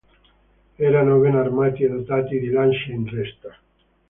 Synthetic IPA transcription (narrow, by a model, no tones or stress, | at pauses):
ɛɾanoβenarmaːt̪iaðot̪aːt̪id̪ilanʃeinɛst̪a